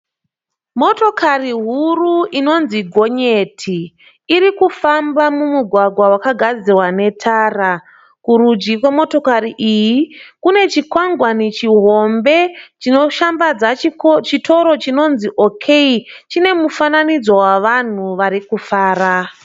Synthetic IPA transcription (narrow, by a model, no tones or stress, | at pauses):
mo̞to̞kariɦuruino̞nziɡʱo̞ɲe̞ːtʰiː | ɾikufambamumuɡʱwaɡwawakaɡʱad͡zirwane̞tʰaːra | kuɾud͡ʒikwemo̞to̞kariʔijikune̞t͡ʃikwaŋɡwanit͡ʃiɦo̞mbe̞oʃambad͡zat͡ʃitʰo̞ɾo̞t͡ʃino̞nziʔo̞kʰeit͡ʃine̞mufananid͡zo̞waʋan̤uʋaɾikufaːra